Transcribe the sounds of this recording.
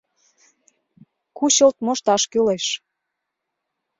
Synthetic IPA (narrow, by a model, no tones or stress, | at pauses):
kuɕəlt̪̚moʃt̪ɑʃkyleʃ